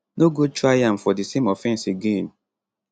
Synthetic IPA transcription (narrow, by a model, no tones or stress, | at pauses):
noɡot͡ʃuajam̩fɔdɪsemɔfɛn̩siɡen̩